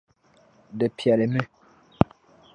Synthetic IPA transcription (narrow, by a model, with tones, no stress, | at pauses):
də˨pja˨le˨my˦˨